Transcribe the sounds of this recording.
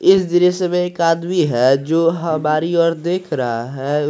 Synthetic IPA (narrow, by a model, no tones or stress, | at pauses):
ɪsd̪iɾisemẽeːkaːd̪miɦɛd͡ʒoːɦɐmaːɾiɔːɾd̪eːkʰɾəɦaɦɛ